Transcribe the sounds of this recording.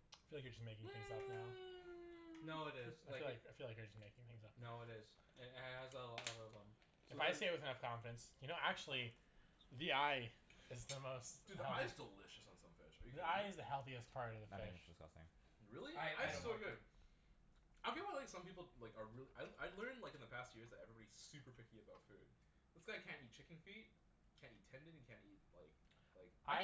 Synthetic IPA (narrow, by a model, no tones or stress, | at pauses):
aɪaɪfilaɪkjə˞d͡ʒʌsmeɪkɪ̃ŋθɪ̃ŋzʌp̚naʊ | noʊɨɾɪɪz̥aɪafilaɪkaɪfilaɪkjə˞d͡ʒʌsmeɪkɪ̃ŋθɪ̃ŋzʌp̚noʊɨɾɪz̥ | ɨ̃nɨzðɛlɔʌvə̃m | ɨfaɪsteɪɨt̚wɨðɨnʌfkʰɑ̃ɱfəɾɨ̃nsjɨñoʊʔæk̚t͡ʃʉl̩ˠi | ðiaɪɨzðəmoʊstd̥ɨɛaɪɨzdəlɪʃɨsn̩sʌ̰̃ɱfɪ̰ʃðiaɪɨzðɨhɛlˠθiɨspʰɑɹɾʌvðɨfɪʃssɪ̰̃ŋ | ɹɪlˠiaɪaɪsoʊɡʊd̥̚ | aɪfiaɪlaɪksʌ̃mpipl̩ˠlaɪkə˞ɹɪlˠiʔaɪaɪlɜ̃˞ndˡlaɪkɨ̃n̩ðɨpʰæst̚jɪɹzðɨɾɛvɹibɑɾiz̥sʉpə˞pʰɪkiɨbaʊtfʉ̰d̥̚ | ðɪsɡ̥aɪkʰæ̃ntit̚t͡ʃʰɪkɪ̃ŋfit̚ | kʰæ̃ntitʰɛ̃ndɨ̃nɨ̃nkʰæ̃ntit̚la̰ɪk | laɪkʔaɪ